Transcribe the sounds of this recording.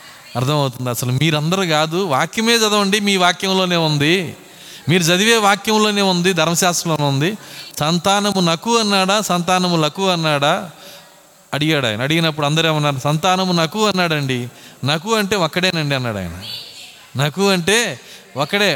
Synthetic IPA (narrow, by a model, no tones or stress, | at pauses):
ɐɾt̪ʰɐmɐwt̪und̪iɐsɐlumiːɾɐnd̪ɐɾuɡaːd̪uʋaːkjɐmeːd͡ʒɐd̪ɐʋɐɳɖimiːʋaːkjɐmlo̞ːne̞ːund̪i | miːɾud͡ʒɐd̪iʋe̞ːʋaːkjɐmlo̞ːne̞ːund̪id̪ʱɐɾmɐʃaːsɾɐloːneːund̪isɐnt̪aːnɐmunɐkuɐnːaːɽasɐnt̪aːnɐmulɐkuɐnːaːɽa | ɐɽiɡaːɽa̰ːjɐnɐːɽiɡinɐp̬ːuɽɐnd̪ɐɾeːmɐnːaːɽɐsɐnt̪aːnɐmunɐkuɐnːaːɽɐɳɖinɐkuɐɳʈe̞ːɔkːɐɽeːnɐɳɖiɐnːa̰ːɽa̰ːj̰nɐ̰ | nɐkuɐɳʈe̞ː | ɔkːɐɽe̞ː